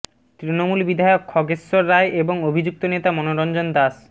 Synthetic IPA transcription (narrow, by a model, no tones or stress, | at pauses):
t̪ɾinomulbid̪ʱaeokʰːɔɡesːoɾːaeʔeboŋobʱid͡ʑuk̚t̪onet̪amɔnoɾɔnd͡ʑond̪as